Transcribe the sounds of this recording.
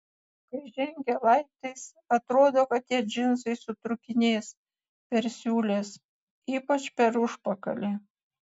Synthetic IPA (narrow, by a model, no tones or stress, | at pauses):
kɐɪʒʲɛŋʲɡʲelˠɐɪt̪ɐɪs | ɐt̪ɾoːd̪oːkɐt̪̚t̪ːʲiɛd͡ʒʲɪnsɐɪsʊt̪ɾʊkʲɪnʲeːs | pʲɛɾsʲuːlʲeːs | iːpɐt͡ʃpʲɛɾʊʃpɐkɐlʲe